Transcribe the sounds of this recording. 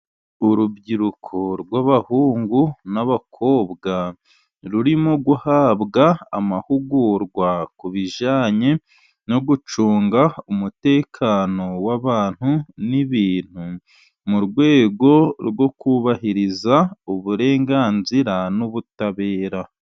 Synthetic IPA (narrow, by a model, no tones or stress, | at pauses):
uɾubɟiɾukʰoɾɡwaβahuːŋɡunaβakʰo̞ːbɡa | ɾuɾimoɡuhaːβɡa̰ːmahuɡuɾɡwakuβiʒaːɲe | no̞ɡut͡ʃuːŋɡaumute̞ːkʰaːno̞waβaːn̥huniβiːn̥hu | muɾɡwe̞ːɡo̞ɾwo̞kuβahiɾizauβuɾe̞ːŋɡaːnziɾanuβutaβe̞ːɾa